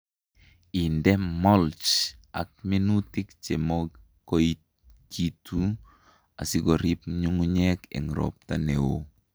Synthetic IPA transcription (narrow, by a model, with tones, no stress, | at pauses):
i˨ndɛ˦mɔ˦lt͡ʃa̰˨k̚mi˦nu˦tɪ˦kt͡ʃe˨mɔɡ | ko˦it̚ | ki˦tu˦ | a̰˨sɪ˦ɡɔ˨ɾi˦pɲu˦ŋɲɛkḛ˨ŋɾɔ̰p̚ta˦ne˨wo˦